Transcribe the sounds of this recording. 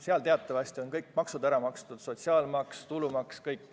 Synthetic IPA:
seɑlt̪eɑt̪ːˑɑvɑsʲt̪ionkɤjkːˑmɑksud̪æɾɑmɑkst̪ud̪̥so̞t̪siɑːlmɑkst̪ulumɑkskɤjkː

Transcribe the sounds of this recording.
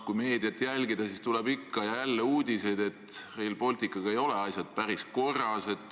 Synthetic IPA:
kujme̞ːd̪iɑt̪ːˑjælʲɡid̪̥ɑsist̪ulɛbikːɑjɑjælːeuːd̪̥ise̞d̪̥e̞t̪hejlpo̞lʲt̪ikːˑɑɡ̥ɑejo̞le̞ɑjsʲjɑd̪̥̚pæɾisko̞rɑse̞d̪̥

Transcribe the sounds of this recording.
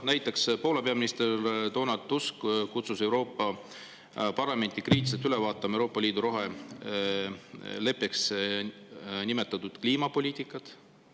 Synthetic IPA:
næjt̪ːˑekspo̞ːle̞pe̞ɑminist̪ert̪o̞ːnɑd̪uskkut̪suse̞wɾo̞ːpːˑɑ | pɑrlɑme̞nd̪̥ikriːt̪ːˑiset̪ylevɑːt̪ːˑɑmɑewɾo̞ːpːɑliːd̪uɾo̞ɦe | le̞pːˑeks | nimet̪ːˑɑt̪ːud̪̥kliːmɑpo̞lʲiːt̪ˑikːˑɑt̪

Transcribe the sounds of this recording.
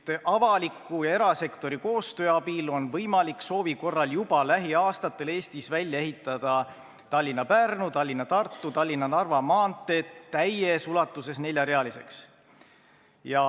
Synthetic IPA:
t̪ːʔɑvɑlikːujɑe̞ɾɑse̞kt̪o̞ɾiko̞ːst̪ø̞ːɑbilo̞nvɤjmɑlikso̞ːviko̞rːɑljub̥ɑlæɦiɑːst̪ɑt̪ːe̞le̞ːst̪isvælʲːjɑe̞ɦit̪ːˑɑd̪̥ɑ | t̪ɑlʲːinːɑpærnut̪ɑlʲːinɑt̪ɑrt̪ˑːut̪ɑlʲːinɑnɑrvɑmɑːnt̪ːˑe̞t̪ːæjesulɑt̪ːˑuse̞sne̞lʲjɑɾe̞ɑlise̞ks | jɑ

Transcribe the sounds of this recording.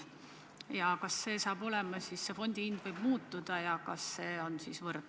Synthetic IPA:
jɑkɑsːe̞ːsɑːb̥o̞lemɑsisse̞fo̞nʲd̪̥iind̪vɤjb̥muːt̪ːˑud̪̥ɑjɑkɑsːeːo̞nsisvɤrd̪̥

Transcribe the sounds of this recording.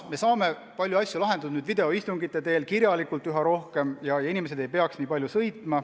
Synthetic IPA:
me̞sɑːme̞ | pɑlʲjuɑsʲjulɑɦe̞nd̪ud̪nyːd̪vid̪e̞o̞ist̪uŋɡit̪ːˑe̞t̪e̞ːlkiɾjɑlikːˑult̪ːˑyɦɑɾo̞hke̞mjɑjɑinime̞s̬e̞d̪e̞jpe̞ɑksniːpɑlʲjusɤ̞jt̪ːˑmɑ

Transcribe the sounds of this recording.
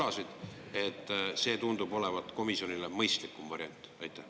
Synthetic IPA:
ɑsid̪̥ | e̞t̪ːˑse̞ːt̪und̪ubo̞le̞vɑt̪ːˑko̞misio̞nilemɤjst̪likːˑumvɑɾjɑnt̪ːˑɑjt̪ːˑæh

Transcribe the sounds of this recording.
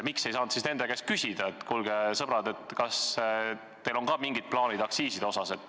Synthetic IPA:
mikse̞jsɑːnt̪sisne̞nd̪e̞ke̞skysʲid̪̥ɑet̪ːˑkulɡesɤbɾɑd̪e̞t̪kɑs | t̪e̞jlo̞ŋkɑmiŋɡid̪̚plɑːnid̪̥ɑksiːsid̪eo̞sɑse̞t̪ːˑ

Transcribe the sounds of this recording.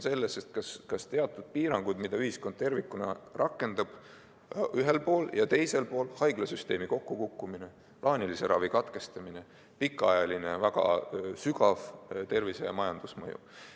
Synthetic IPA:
se̞lːeset̪̚kɑskɑst̪e̞ɑt̪ːˑud̪̥̚piːɾɑŋɡ̥ud̪mid̪̥ɑyhisko̞nd̪̚t̪e̞rvikːˑunɑ̰rɑkːˑe̞nd̪̥ɑb̥ | yɦelpo̞ːljɑt̪e̞jse̞lpo̞ːlhɑjɡ̥lɑsyst̪e̞ːmiko̞kːukukːumine̞ | plʔɑːnʲilise̞ɾʔɑ̰vikɑt̪ke̞st̪ɑmine̞ | pikːˑɑjɑlinevæɡ̥ɑ̰syɡɑvt̪e̞rvisḛɑ̰mɑjɑnd̪̥usmɤjṵ

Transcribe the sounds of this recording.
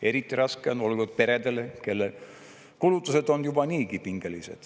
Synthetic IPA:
e̞ɾit̪ːˑiɾɑskeono̞lɡud̪̥̚pe̞ɾe̞d̪e̞leke̞lːe | kulut̪ːˑuse̞d̪̥o̞njub̥ɑniːɡipiŋɡe̞lise̞̰d̪̥

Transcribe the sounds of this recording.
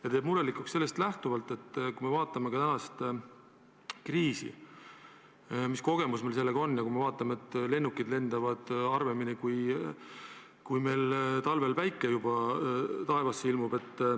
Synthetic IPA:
jɑt̪eːbmuɾe̞likːˑukse̞lːe̞st̪læht̪uvɑlt̪ːˑe̞t̪ˑːkujme̞vɑːt̪ˑːɑme̞kɑt̪ænɑst̪ | kriːsḭ | misko̞ɡ̥e̞musmelse̞lːe̞ɡ̥ɑo̞nːjɑkujmevɑːt̪ːˑɑmeet̪ːle̞nːukːˑid̪le̞nd̪̥ɑvɑd̪̥ɑrve̞minikuj | kujme̞jlt̪ɑlve̞lpæjkːˑejubɑt̪ɑe̞vɑsːilmub̥e̞t̪ːˑ

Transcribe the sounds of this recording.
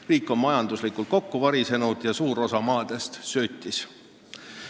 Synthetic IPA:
riːkːˑo̞mmɑjɑnd̪̥uslikult̪̚ko̞kːuvɑɾise̞nud̪̥jɑsuːɾo̞sɑmɑːd̪̥e̞st̪søːt̪ʲːˑis

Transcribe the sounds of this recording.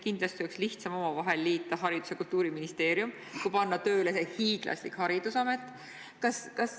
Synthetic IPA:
kind̪lɑst̪iyksliht̪sɑmo̞mɑvɑɦe̞lːiːt̪ːˑɑɦɑɾid̪̥use̞kult̪ːuːɾiminist̪e̞ːɾjum | kujpɑnːɑt̪ø̞ːlese̞hiːɡ̥lʔɑ̰sʲlikhɑɾid̪̥usɑme̞t̪ːˑ | kɑskɑs

